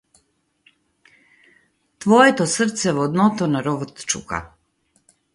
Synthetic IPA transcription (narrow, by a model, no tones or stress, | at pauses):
t̪ʋojet̪osr̩t̪sɛʋod̪not̪onaɾoʋot̪t͡ʃṵka̰